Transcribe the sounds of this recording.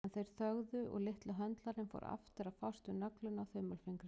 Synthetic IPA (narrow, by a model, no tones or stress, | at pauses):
ɛnθejɾ̥θœɣðʏɔ̰ɣlɪht̪laɦœnt̪laɾɪnfo̰wɾʔa̰ft̪ɪɾaðfawst̪ʏnœklʏnawθœːmœlfiŋkɾɪ